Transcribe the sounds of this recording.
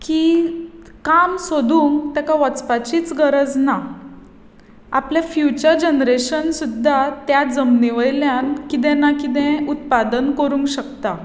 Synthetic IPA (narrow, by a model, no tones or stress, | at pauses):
ki | kamsod̪ʱuːŋkt̪jakaʋət͡spat͡ɕiːt͡sɡəɾəd͡zna | a̰pljafjut͡ɕəɾd͡ʑənɾeɕənsud̪ʱːat̪jad͡zəmniʋəjljankit̪̬ɛ̃nakit̪̬ɛ̃ut̪pad̪ənkəɾũːŋkɕəkt̪a